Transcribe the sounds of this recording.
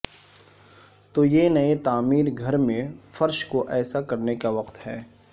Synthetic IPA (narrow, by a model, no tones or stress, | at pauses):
t̪ojenɐet̪aːmiːɾɡʱɐɾmẽfɐɾʃkoʔɛːsakɐɾnekaʋɐqt̪ɦɛː